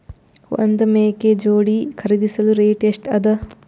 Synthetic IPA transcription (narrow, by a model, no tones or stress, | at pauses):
hṵʔɐnd̪ɐmeːked͡ʒoːɽikʰɐɾid̪isɐluɾeːʈesʈɐd̪ɐ